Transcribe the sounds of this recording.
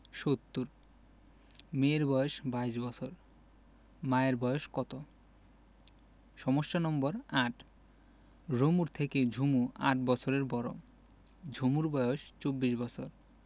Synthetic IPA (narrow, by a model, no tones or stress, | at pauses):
ʃot̪ːuɾ | meɾbɔjoʃbaiʃbɔt͡ɕʰoɾ | maeɾbɔjoʃkɔt̪o | ʃɔmoʃːonɔmboɾaʈ | ɾomuɾt̪ʰeked͡ʑʱumua̰ʈ̚bɔt͡ɕʰoɾeɾbɔɾo̰ | d͡ʑʱumuɾbɔjoʃt͡ɕobːiʃbɔt͡ɕʰoɾ